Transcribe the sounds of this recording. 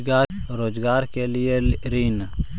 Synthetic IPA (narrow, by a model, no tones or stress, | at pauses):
ɡaːɾoːd͡ʒɡaːɾkelieɾiːn